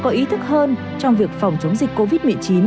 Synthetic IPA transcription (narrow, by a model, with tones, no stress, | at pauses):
kɔ˨˦ʔi˨˦t̪ʰɨ˦˥k̚həː˧n | t͡ɕɔ˧wŋ͡mvi˨˩ək̚fa˨˩wŋ͡mt͡ɕə˨˦wŋ͡mzï˨˩k̟̚ko˧vi˦˥t̚mɨ˨˩ət͡ɕi˨˦n